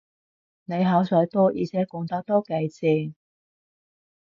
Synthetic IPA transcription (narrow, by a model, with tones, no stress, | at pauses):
ne˨˧jɦɐ˨˥wsɔː˨˥jt̪ɔː˥jḭː˨˧t͡sʰɛː˨˥kʊ˨˥ŋt̪ɐ˨˥k̚t̪ɔː˥kɐ˧jt͡sɪ˨˧˩ŋ